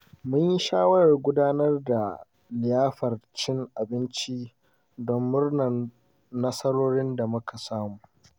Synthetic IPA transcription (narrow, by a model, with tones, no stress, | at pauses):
mʊ˦ɲji˦ʃaː˦wɐ˦ɽɐ˨rɡʷʊ˦daː˦nɐ˦rda˨ | lɪ˨jaː˦ɸɐ˨rt͡ʃɪ˦ŋʔa˨bɪ˦nt͡ʃi˦ | dɔ˦mːʊ˦rnɐ˨r | nɐ˦sɐ˦ɽoː˦ɽɪ˦nda˨mʊ˦kʰa˨saː˦muː˨